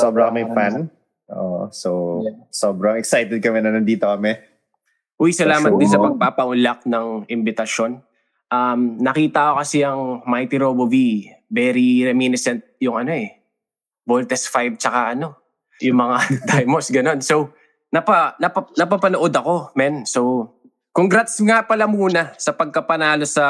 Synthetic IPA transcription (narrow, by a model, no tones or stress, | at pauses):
soːbɾɐkɐmɛjfan | ʔo̰ːsosoːbɾɐŋɛksajt̪ɛd̪̚kɐmɛnɐnɐnd̪iːt̪okɐmɛ | ʔʊjsɐlaːmɐt̪̚d̪ɪnsɐpɐɡ̚paːpɐʔʊlak̚nɐŋɪmbɪt̪ɐʃo̞n | ʔɐmnɐkiːt̪ɐʔɐko̞kɐsɛɐŋmajt̪iɾobovi | bɛɾiɾɛminɪsɛnt̪̚jʊŋɐno̞ʔɛ | bolt̪ɛsfajb̚t͡ʃɐkaʔɐno̞ | jʊŋmɐŋad̪ajmosɡɐno̞nsow | nɐpɐnɐpɐnɐpɐpɐnoʔo̞d̪ɐko̞mɛnso̞w | koŋɡɾat̪sŋapɐlɐmuːnɐsɐpɐɡ̚kɐpɐnaːlo̞sɐ